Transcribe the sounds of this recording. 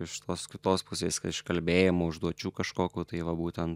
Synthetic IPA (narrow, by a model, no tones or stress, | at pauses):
ɪʃʃʲɪ̥t̪oːskʲɪt̪oːspʊsʲeːskɐt̪ɪʃkɐlʲbʲeːjɛmoʊʒd̪uɔt͡ʃʲuːkɐʃkoːkʲuːt̪ɐɪʋɐbuːt̪ʲɛnt̪